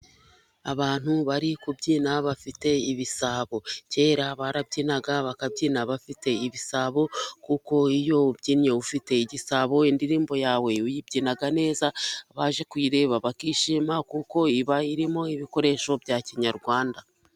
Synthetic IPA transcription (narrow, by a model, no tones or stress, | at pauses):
aβaːn̥huβaɾikubɟiːnaβafite̞iβisaβo̞ce̞ːɾaβaɾabɟiːnaɡaβakab̚ɟiːnaβafite̞iβisaβo̞kuko̞ijo̞ubɟiːnɲeufite̞iɟisaβo̞indiɾiːmbo̞jaːwe̞ujibɟiːnaɡane̞ːzaβaʒe̞kwiːɾe̞ːβaβakiːʃimakuko̞iβaiɾimo̞iβiko̞ɾe̞ːʃo̞bɟaciɲaɾɡwaːnda